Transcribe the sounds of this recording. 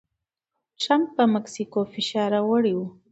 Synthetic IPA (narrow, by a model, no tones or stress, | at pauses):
ʈɾampːəmaksikofɪʃɑɾawəɽiwu